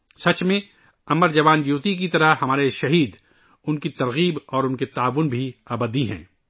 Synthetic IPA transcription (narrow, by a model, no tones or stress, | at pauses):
sɐt͡ʃmẽ | ɐməɾd͡ʒɐʋaːnjuːt̪ik̬it̪ɐɾəhɐmaːɾeʃɐɦiːd̪ | ʊnkit̪ɐɾɣiːbɔːɾʊnket̪aːʋʊnbʱiɐbəd̪iɦɛ̰̃ː